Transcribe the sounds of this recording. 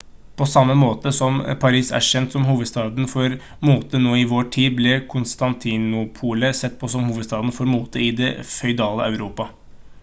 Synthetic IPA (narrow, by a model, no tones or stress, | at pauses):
pʰɔsɑmːəmoːt̪əsɔmpʰɑɾiːsæ̰ʂɛnt̪sɔmɦuːʋəd̪st̪ɑːd̪n̩fɔɾ | muːt̪ənoːɪʋoːʈʰiːd̪blɛkʰʊnst̪ɑnt̪ʰɪnʊpʰuːləsɛt̪ːpʰɔsɔmhuːʋəd̪st̪ɑːd̪n̩fɔɾmuːt̪əɪd̪ɛ̰fœʏd̪ɑːlə̰ʔɑʉɾuːpɑ